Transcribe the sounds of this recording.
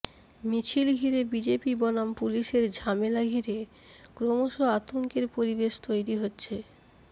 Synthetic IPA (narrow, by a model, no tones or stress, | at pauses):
mit͡ɕʰilɡʱiɾebid͡ʑepibɔnampuliʃeɾd͡ʑʱamelaɡʱiɾe | kɾomoʃoat̪oŋkeɾpoɾibeʃt̪ojɾiɦotːɕʰe